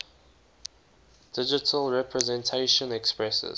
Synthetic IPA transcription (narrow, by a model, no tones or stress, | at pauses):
d̥ɪd͡ʒɪtʰəlɹɛpʰɹɛzɛ̃ntʰeɪʃə̃nɛkspɹɛsə̰z̥